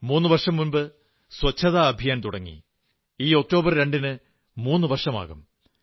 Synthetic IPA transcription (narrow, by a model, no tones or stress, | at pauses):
muːnːɨʋɐrʂɐmːunbɨ | swɐt͡ɕʰːɐðaɐbʱijaːnt̪uɽɐŋːḭ | iːo̞k̚ʈo̞ːbɐrɾe̞ɳɖinɨ | muːnːɨʋɐrʂɐma̰ːɣum